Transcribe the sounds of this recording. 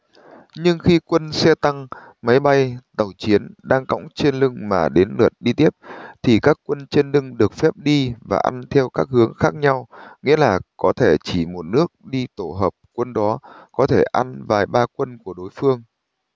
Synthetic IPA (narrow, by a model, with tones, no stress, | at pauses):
ɲɨ˧ŋxi˧kwə˧nsɛ˧t̪a˧ŋ | ma˨˦jɓa˧jt̪ə˨˩wt͡ɕi˨˦ənɗaː˧ŋkɔ̰˧˥wŋ͡mt͡ɕe˧nlɨ˧ŋmaː˨˩ɗe˨˦nlɨ̰˨˩t̚ɗi˧t̪i˦˥əp̚t̪ʰi˨˩kaː˦˥kːwə˧nt͡ɕe˧nlɨ˧ŋɗɨ˨˩ək̚fɛ˦˥p̚ɗi˧va̰ː˨˩ʔa̰˧nt̪ʰɛ˧wkaː˦˥k̚hɨ˨˦əŋxaː˦˥k̚ɲa˧wŋḭ˧˥əlaː˨˩kɔ˨˦t̪ʰe˧˩t͡ɕi˧˩mo˨˩t̚nɨ˦˥ək̚ɗi˧t̪o˧˩ɦəː˨˩p̚kwə˧nɗɔ˨˦kɔ˨˦t̪ʰe˧˩ʔa˧nvaː˨˩jɓaː˧kwə˧nku˧˩əɗo˨˦jfɨ˧əŋ